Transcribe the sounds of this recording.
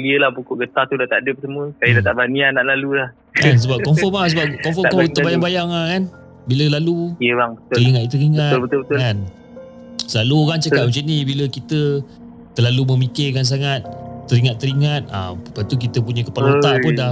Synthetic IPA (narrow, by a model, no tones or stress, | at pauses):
ɡiəlahpukʊʔɡət̪at̪udat̪aʔdəpəsəməkajədat̪aʔbanianaʔlalulah | kans̬əbap̚kɔmfɔmas̬əbapkɔmfɔkɔkit̪əbajaŋbajaŋakan | biləlalujəbaŋbət̪əɾiŋat̪t̪əɾiŋəat̪lbət̪ʊlbət̪ʊlan | səlaluoɣaŋt͡ʃəkaʔ̚mut͡ʃunibiləkit̪ə | t̪əlaluməmikɪkans̬aŋat̪̚ːəɾiŋat̪ːəɾiŋat̪̚a̰mpat̪uk̬it̪əp̬uɲəkəpaloaʔpunda